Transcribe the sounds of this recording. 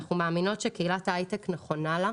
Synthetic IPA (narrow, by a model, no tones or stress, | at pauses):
χumaːmino̞tʃekeilatajtekneχo̞nala